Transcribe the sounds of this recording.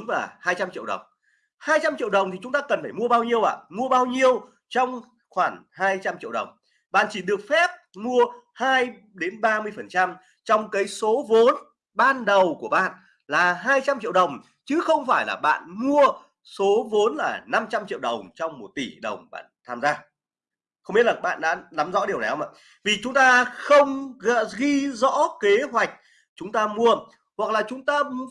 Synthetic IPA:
ŋvaː˨˩haː˧jt͡ɕa˧mt͡ɕḭ˧˨əwɗə̰˨˩wŋ͡m | haː˧jt͡ɕa˧mt͡ɕḭ˧əwɗə˨˩wŋ͡mt̪ʰi˨˩t͡ɕʊ˨˦ŋ͡mt̪aː˧kə˨˩nfaː˧˩jmu˧əɓaː˧wɲi˧əwʔa̰ː˧˨mu˧əɓaː˧wɲi˧əw | t͡ɕɔ˧wŋ͡m | xwaː˧˩ŋhaː˧jt͡ɕa˧mt͡ɕḭ˧˨əɗə˨˩wŋ͡m | ɓa̰ː˧˨nt͡ɕi˧˩ɗɨ˨˩ək̚fɛ˦˥p̚mu˧əhaː˧j | ɗe˨˦nɓaː˧mɨ˧əjfə˨˩nt͡ɕa˧m | t͡ɕɔ˧wŋ͡mkaː˨˦jso˨˦vo˨˦n | ɓaː˧nɗə˨˩wku˧˩əɓa̰ː˧˨n | laː˨˩ɦaː˧jt͡ɕa˧mt͡ɕḭ˧˨əwɗə˨˩wŋ͡m | t͡ɕɨ˨˦xə˧wŋ͡mfaː˧˩jlaː˨˩ɓa̰ː˧˨nmu˧ə | so˨˦vo˨˦nlaː˨˩na˧mt͡ɕa˧mt͡ɕḭ˧əwɗə˨˩wŋ͡mt͡ɕɔ˧wŋ͡mmo˨˩t̚t̪i˧˩ɗə˨˩wŋ͡mɓa̰ː˧˨nt̪ʰaː˧mzaː˧ | xə˧ŋ͡mi˦˥ətlaː˨˩ɓa̰ː˧˨nɗa̰ː˧˥na˨˦mzɔ̰˧˥ɗi˨˩ənɛ˨˩˦ma̰˧˩ | vi˨˩t͡ɕʊ˨˦ŋ͡mt̪aː˧xə˧wŋ͡mɣə̰˧˨ɣi˧zɔ̰˧˥ke˨˦ɦwa˨˩jk̟̚ | t͡ɕʊ˨˦ŋ͡mt̪aː˧mu˧ə | hwa˨˩k̚laː˨˩t͡ɕʊ˨˦ŋ͡mt̪aː˧

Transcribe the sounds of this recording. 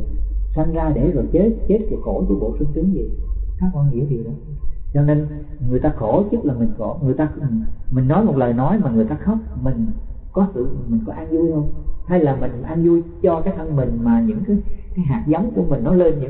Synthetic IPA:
sa˧jŋzaː˧ɗe˧˩zɔ̰˨˩jt͡ɕe˦˥t̚t͡ɕe˦˥t̚ku˧˩əxo˧˩t̪u˧˩˦ɓo̰˧˨sɨ˧ŋt̪ɨ˨˦əŋzḭ˨˩kaː˦˥k̚kːɔ˧nŋḭ˧˥əvɗɔ˨˦˧t͡ɕɔ˧ne˧n | ŋɨ˨˩əjt̪aː˧xo˧˩t͡ɕʊ˦˥laː˨˩mï˨˩ŋ̟xo˧˩ŋɨ˨˩əjt̪aː˧˨˩mï˨˩ŋnɔ˨˦jmo˨˩t̚ləː˨˩jnɔ˨˦jmaː˨˩ŋɨ˨˩əjt̪aː˧xɔ˦˥wk͡p̚mï˨˩ŋ̟kɔ˨˦sɨ̰˧˨˩mï˨˩ŋ̟kɔ˨˦ʔaː˧nzu˧jt̪ʰo˧jha˧jlaː˨˩mï˨˩ŋ̟ʔaː˧nzu˧jt͡ɕɔ˧kaː˦˥k̚ʔə˧nmï˨˩ŋ̟maː˨˩ɲɨ̰˧˥ŋkaː˨˦jkaː˨˦jɦaː˨˩t̚za˨˦wŋ͡mku˧˩əmï˨˩ŋ̟nɔ˨˦le˧nɲɨ̰˧˥

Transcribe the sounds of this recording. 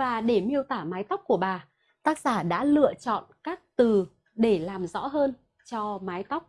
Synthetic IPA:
vaː˨˩ɗe˧˩mi˧əwt̪aː˧˩maː˨˦jt̪a˦˥k͡p̚ku˧˩əɓaː˨˩ | t̪aː˦˥k̚zaː˧˩ɗa̰ː˧˥lɨ̰˧˨ət͡ɕɔ̰˧˨nkaː˦˥k̚t̪ɨ˨˩ | ɗe˧˩laː˨˩mzɔ̰˧˥ɦəː˧n | t͡ɕɔ˧maː˨˦jt̪a˦˥wk͡p̚

